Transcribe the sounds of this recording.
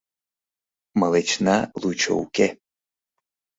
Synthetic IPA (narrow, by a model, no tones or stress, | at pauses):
məlet͡ʃnalˠut͡ʃʰo̰wkʲe